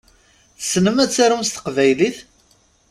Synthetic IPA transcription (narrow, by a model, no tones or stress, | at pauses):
θsnəmæt͡sːaɾumst̪ə̥qvæjliθ